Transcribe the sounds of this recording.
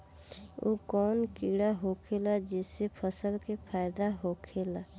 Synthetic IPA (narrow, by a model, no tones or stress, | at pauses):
okɔːnkiɽaɦokʰelad͡ʒɛːsepʰəsəlkepʰaːɪd̪aɦokʰeːla